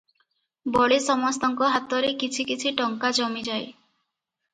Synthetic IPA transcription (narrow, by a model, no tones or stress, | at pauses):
bɔɭesɔmɔst̪ɔŋkɔɦat̪ɔɾekit͡ʃʰikit͡ʃʰiʈɔŋkad͡ʒɔmid͡ʒaj